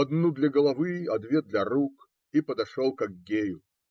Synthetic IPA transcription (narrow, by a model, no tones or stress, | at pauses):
ɐd̪nud̪lʲɐɡəlˠɐvɨɐd̪vʲed̪lʲɐɾuk | ipəd̪ɐʂolˠkɐɡɡʲejʊ